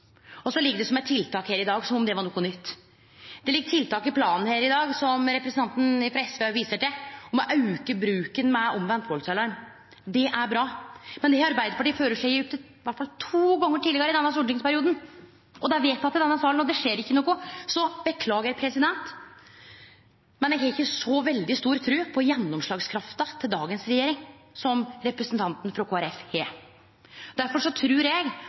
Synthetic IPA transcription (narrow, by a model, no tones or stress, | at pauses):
ɔsɔlɪɡːəɖ̪ɛsɔmɛt̪ʰːɪlt̪ʰɑːkheːɾɪd̪ɑːɡsɔmmd̪ɛʋɑɳɔkːʊnʏt̪ː | d̪ɛlɪɡːət̪ʰɪlt̪ʰɑːkɪpʰlɑːnn̩heːɾɪd̪ɑːɡsɔmɾɛpɾəsn̩ʰɑnt̪n̩ɪfɾɑɛsʋeɑʋiːsəʈɛɔmɔʔɑʉkəbɾʉːkənmɛɔmʋɛnt̪bɔlsɛlɑɾm | d̪ɛʔæɾbɾɑːmɛnd̪ɛɑɾbæɪd̪əɾpɑʈiːføːɾəʂæʉːpt̪ːə | ʋæʈfɑlt̪ʰuːɡɔŋːəʈilːɪɡəɾɪd̪ɛnːɑsuːʈɪŋspæɾɪuːd̪n | ʔɔd̪æʋeːt̪ːɑt̪ːɪd̪ɛnːɑsɑːlənɔd̪ɛʂeːɾɪçːənoːkːʊsɔbəkʰlɑːɡəpʰɾɛsɪd̪ɛnt̪ | mɛnɛɡɦɛɪçːəsɔʋɛld̪ɪst̪uːɾt̪ʰɾʉːpʰɔjɛnːɔmʂɭɑːɡskʰɾɑft̪ɑt̪ʰɪld̪ɑːɡənsɾɛjeːɾɪŋsɔmɾɛpɾəsənt̪ʰɑnt̪n̩fɾɔkʰoːæɾɛfheː | d̪æɾfɔʂɔt̪ʰɾʉːɾɛɡ